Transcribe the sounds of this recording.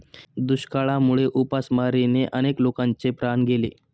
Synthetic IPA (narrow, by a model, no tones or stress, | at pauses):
d̪uɕkaɭamuɭeʔupasmaɾineʔəneklokãnt͡sepɾanɡelḛ